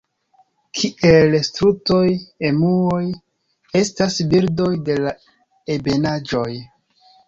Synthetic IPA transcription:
kʰiʔelstɾuto̞je̞muoj | e̞stasbiɾdo̞jde̞la | ebe̞nad͡ʒo̞j

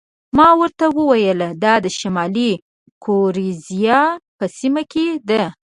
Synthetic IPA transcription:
mɑwəɾt̪awəwajəld̪ɑd̪əʃamɑli | kʰoɾizjɑpəsimaked̪a

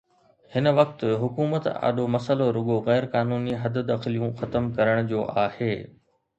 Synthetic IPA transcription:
hɪnʋɐk̚t̪ɦʊkuːmət̪a̰ːɗomɐsəloɾʊɠoɣɛːɾkaːnuːniɦɐd̪d̪aːxɪlijũxɐt̪əmkɐɾəɽ̃d͡ʑoːʔaːheː

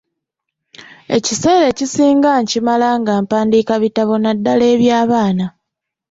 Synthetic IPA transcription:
e̞̰cise̞ːɾe̞cisiːŋɡaɲcimalaŋɡaːmpaːndiːkaβitaβo̞nadːale̞ːβjaːβaːna

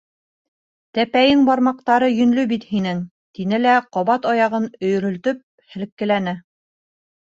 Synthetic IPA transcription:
t̪æpæjɘŋbɑɾmɑq̚t̪ɑɾɤjɵ̆nlɵbit̪hinɘŋ | t̪inɘlæqɒβɑt̪ɑjɑʁɤnɵ̆jɵ̆ɾɵ̆lt̪ɵp̚ | hɘ̆lɘ̆kːɘ̆lænɘ

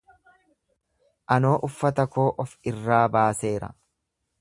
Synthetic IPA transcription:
ʔɐno̞ːʔʊfːɐt̪ɐkoːʔɔfɪrːaːbaːse̞ːɾɐ̰

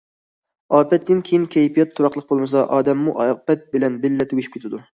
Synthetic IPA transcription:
ɑːpɛt̪ːɪnkʲʰejinkʲʰɛjpijɛt̪ʰːoɾɑχlˠəq̚bolˠmɨsɑʔɑːd̪ɛmːuʔɑpɛt̪̚bɪlɛnbɪlːɛt̪ʰʊɡʲiʃi̥p̚kʰʲet̪ʰɪd̪u

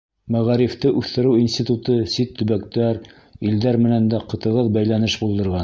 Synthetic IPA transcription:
mæʁæɾift̪ɤʔʉθt̪ɘ̆ɾɘwinsʲt̪ʲit̪ut̪ɤsit̪ːɵ̆βækt̪æɾ | ild̪æɾmɘ̆nænd̪æqɤ̆t̪ɤ̆ʁɤðbæjlænɘʃbulˠd̪ɤ̆ɾʁɑn

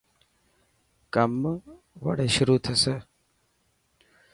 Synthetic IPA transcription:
kɐm | ʋɐ̰ɽeːʃʊɾuːt̪ʰɐse

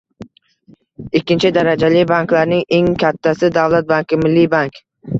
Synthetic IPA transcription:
ɪkʲːɪnt͡ʃʰɪd̪aɾad͡ʒalɪbaŋkʲlaɾnɪŋe̞ŋkʲʰat̪ʰːasɪd̪avlat̪̚baŋkʲɪmɪlːibaŋkʲ

